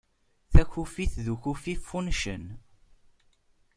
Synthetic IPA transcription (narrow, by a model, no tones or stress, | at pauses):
θæçufiθðuçufifunʃə̰n